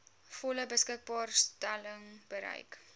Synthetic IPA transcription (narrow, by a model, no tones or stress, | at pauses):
fɔləbəskək̚bɑːrstæləŋb̥əɾɛ̰jk